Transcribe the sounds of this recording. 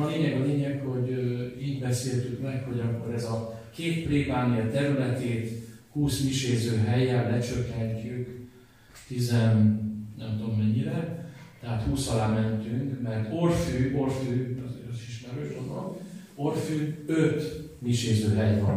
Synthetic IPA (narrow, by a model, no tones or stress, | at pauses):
ɒleːɲɛɡɒleːɲɛkho̞ɟiːɟbɛseːlt̪ykmɛkho̞ɟɒkːo̞ɾɛzɒ | keːt̪preːbaːnijɒt̪ɛɾylɛt̪eːt̪huːsmiʃeːzøːɦɛjɛnlɛt͡ʃøkːɛɲt͡ʃyk | t̪izɛnnɛmt̪omːɛɲːiɾɛt̪ɛɦaːt̪huːsɒlaːmɛnt̪yŋkmɛrt̪orfyːʔorfyːɒzeʃiʃmɛɾøːʃomɒ̰n | orfyːøt̪miʃeːzøːɦɛjvɒn